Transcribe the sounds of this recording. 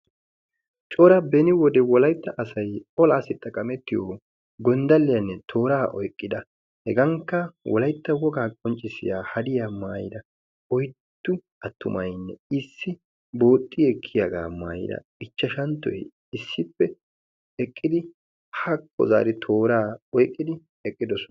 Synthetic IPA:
t͡ʃʼoːɾɐbɛnɪwɔd̪ɛwɔlɐjt̪ːɐʔɐsɐjɔlaːsɪt̪ʼːɐkʼɐmɛt̪ːɪjo | ɡɔnd̪ɐlːɪjɐnːɛt̪ʰo̞ːɾaːʔɔ̰jkʼːɪd̪ɐ | hɛɡɐŋkːɐwɔ̰lɐjt̪ːɐwɔɡaːkʼɔnt͡ʃʼːɪsɪ̰jaːhɐd̪ɪjamaːjɪd̪ɐ | ɔjt̪ːʊ | ɐt̪ːʊmɐjnːɛɪsːɪ | bo̞ːt̪ʼːɪjɛkʰːɪjaɡa̰ːma̰ːjɪ̰d̪ɐ̰ | ɪt͡ʃːɐʃɐnt̪ːɔ̰j | ɪsːɪpːɛ | ɛkʼːɪd̪ɪ | hɐkʰːɔ̰za̰ːɾɪt̪ʰoːɾaːɔjkʼːɪd̪ɪ | ɛkʼːɪd̪ɔsɔ

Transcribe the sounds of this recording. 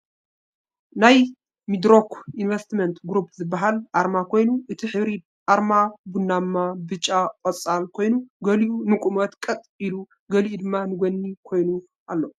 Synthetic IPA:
naj | mid̪ɾokinvɐst̪ment̪ɡɾupʰzɨbːaɦalʔaɾmakʰo̞jnuʔɨt̪ʰiħɨβɾid̪̚ | ʔaɾmabunːamːabɨt͡ʃʼːakʼɔt͡sʼːalkʰo̞jnuɡɐliʔunɨkʼumɐt̪kʼɐt̪ʼilu | ɡɐliʔud̪ɨmːanɨɡonːikʰo̞jnu | ʔalːo

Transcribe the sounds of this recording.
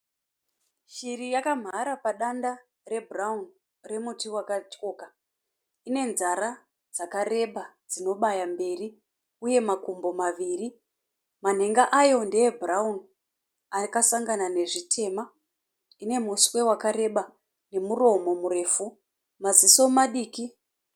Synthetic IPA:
ʃirijakam̤aɾapaɗanda | re̞bʱuraun | re̞mutiwakat͡ʃko̞ːka | ine̞nzaɾa | d͡zakare̞ɓad͡zino̞ɓajambe̞ri | uje̞makumbo̞maʋiːri | man̤e̞ŋɡaʔajo̞ndeebʱuraun | akasaŋɡanane̞ʐitʰe̞ːma | ine̞muswe̞wakaɾe̞ɓa | ne̞muro̞mo̞muɾe̞ːfu | maziso̞maɗiːki

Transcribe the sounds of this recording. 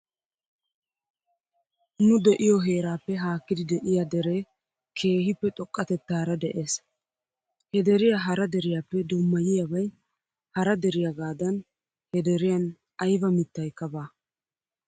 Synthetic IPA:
nʊd̪ɛʔɪjɔɦe̞ːɾaːpːɛɦaːkːɪd̪ɪd̪ɛʔɪjad̪ɛɾeː | kʰe̞ːhɪpːɛt̪ʼɔkʼːɐt̪ɛt̪ːaːɾɐd̪ɛʔe̞ːs | hɛd̪ɛɾɪjaɦɐɾɐd̪ɛɾɪjaːpːɛd̪ʊmːɐjɪjɐbɐj | hɐɾɐd̪ɛɾɪjaɡaːd̪ɐn | hɛd̪ɛɾɪjɐn | ɐjbɐmɪt̪ːɐjkːɐbaː

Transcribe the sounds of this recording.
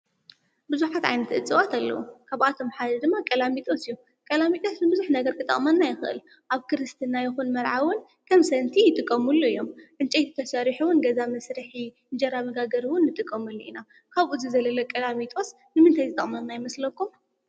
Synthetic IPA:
bɨzuħat̪ʕa̰jnɐt̪ʔɨt͡sʼɨwat̪ʰalːɐ̰wukʰaβʔat̪ʰo̞mħad̪ɐd̪ɨmːakʼɐlamit̪ʼosɨjːu | kʼɐlamit̪ʼo̞snɨbɨzuħnɐɡɐɾkʰɨt̪ʼɐ̰χʼmɐnːajɪxɨʔɨ̰l | ʔaβkʰɨɾɨst̪ʰɨnːajɪxunmɐɾʕawʊn | kʰɐmsɐnt̪ʰijɪt̪ʼɨkʼːɐmulːuɨjːo̞mʕɨnt͡ʃʼejt̪ʰit̪ʰɐsɐɾiħuwʊnɡɐzamɐsɾɨħi | nd͡ʒɐɾamɐɡaɡɐɾiwʊnːɨt̪ʼɨkʼːɐmɨlːuḭna | kʰaβʔuzɨzɐlɐlɐkʼɐlamit̪ʼo̞s | nɨmɨnt̪ʰajzɨt̪ʼɐ̰χʼmɐnːajɪmɐslɐkːum

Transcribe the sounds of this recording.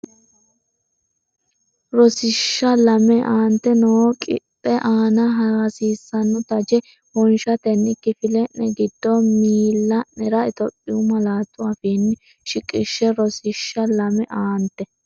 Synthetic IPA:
ɾɔsɪʃːɐlɐmɛʔaːnt̪ːɛnɔwɔkʼɪ̰t̪ʼːɛʔaːnɐɦɐɾɐsiːsːɐnːʊt̪ɐd͡ʒɛ | hɔnʃɐt̪ɛnːɪkːɪfɪlɛnɛɡɪd̪̥ːɔmiːlːɐnɛɾɐɪt̪ɔpʼːɪʊmɐlaːt̪ʼːʊafinːɪ | ʃɪkʼɪʃːɛɾɔsɪʃːɐlɐmɛʔaːnt̪ːɛ

